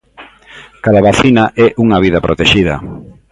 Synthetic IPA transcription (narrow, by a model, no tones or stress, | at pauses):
kaðaβaθinaʔɛʔuŋaβiðapɾʔot̪eʃiðɐ̰